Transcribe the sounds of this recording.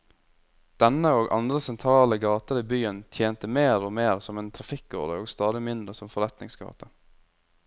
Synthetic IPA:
d̪̥ɛnəoːɡʔɑ̰nd̪ɾəsɛnt̪ʰɾɑːləɡɑːt̪əɾiːbyːənt̪ʰjeːnt̪əmeːɾoːmeːɾsɔmeːnt̪ʰɾɑfɪkːɔ̰d̪ə̰oːɡst̪ɑːd̪ɪmɪnd̪ɾəsɔmfɔɾɛt̪nɪŋsɡɑ̰ːt̪ə

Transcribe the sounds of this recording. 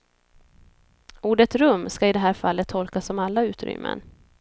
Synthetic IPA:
uːɖət̪ɾɵmːskaɪd̪ɛɦæːɾfalːət̪ʰːɔlkasɔmalːaʉ̟ːt̪ɾʏ̰mːə̰n

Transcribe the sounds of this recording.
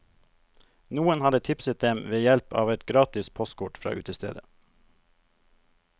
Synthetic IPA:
nuːənhɑd̪ət̪ʰɪpsət̪̚d̪ɛmʋeːjɛlpɑ̰ːʋɛt̪ɡɾɑːt̪ɪspʰɔst̪̚kʰʊʈfɾɑ̰ːʔʉ̰ːt̪əst̪ḛːd̪ə

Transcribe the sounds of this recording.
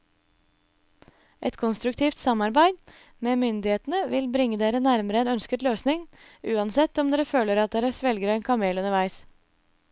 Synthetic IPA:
ʔɛ̰t̪kʰɔnst̪ɾʉkt̪ʰiːft̪sɑmɑɾbæɪd̪ | meːmʏnd̪ɪheːt̪n̩əʋɪlbɾɪŋːəd̪eːɾənæɾməɾəeːnœnskət̪løːsnɪŋ | ʉːɑnsɛt̪ːɔmd̪eːɾəføːləɾɑt̪̚d̪eːɾəsʋɛlɡəɾɛːnkʰɑmeːlʉnəɾʋæɪs

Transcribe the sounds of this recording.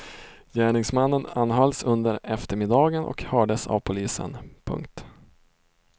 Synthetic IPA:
jæːɳɪŋsmanːənanːɦɑlsɵnd̪əɾɛft̪əɾmɪd̪ɑːɡənʔɔ̰khœːɖəsa̰vpʰʊliːsə̰npʰɵ̰ŋkt̪

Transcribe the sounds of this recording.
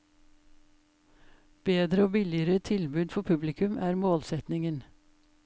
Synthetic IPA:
b̥eːd̪ɾəoːbɪlɪəɾət̪ʰɪlbʉːd̪fɔpʰʉblɪkʰʉmʔæːɾmoːlsɛt̪nɪŋən

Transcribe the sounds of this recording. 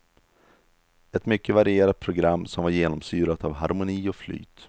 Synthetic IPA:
ɛt̪mʏkːəvaɾɪeːɾat̪̚pʰɾʊɡɾamːsɔmvaɾjeːnɔmsyːɾat̪avɦaɾmʊniːɔfly̰ːt̪

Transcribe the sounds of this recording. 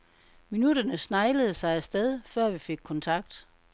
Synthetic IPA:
minud̥ɐnəsnɑ̈ɪləð̞̩ˠəsɑ̈ɪæsd̥eð̞ˠfɶɐ̰ʋife̝ɡ̥̚kʰɒ̽nt͡sʰɑ̈ɡ̥d̥

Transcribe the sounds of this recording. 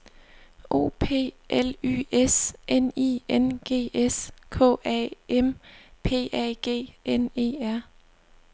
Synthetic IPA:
ʔo̝̰ːpʰe̝̰ːʔely̰ːesʔenḭːenɡ̥e̝̰ːeskʰɔ̰̽ːʔɛ̰ʔempʰe̝̰ːɛ̰ɡ̥e̝̰ːʔene̝̰ːæɐ̰

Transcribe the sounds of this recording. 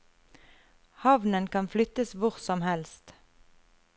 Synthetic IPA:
hɑʋnənkʰɑnflʏt̪əsʋʊʁsɔmhɛlst̪

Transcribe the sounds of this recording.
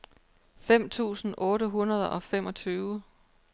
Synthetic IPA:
fem̰t͡sʰṵːsn̩ʔɔ̽ːɾəɦunɐð̞ˠʔɒ̽femɒ̽t͡sʰyːʊə

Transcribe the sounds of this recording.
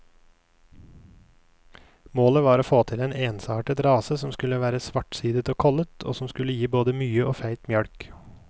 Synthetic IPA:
moːləʋɑːɾoːfoːt̪ʰɪleːneːnsɑːʈət̪ɾɑːsəsɔmskʉləʋæːɾəsʋɑʈsiːd̪ət̪oːkʰɔlət̪ʰo̰ːsɔmskʉləjiːboːd̪əmyːəʔoːfæɪt̪mjœɽk

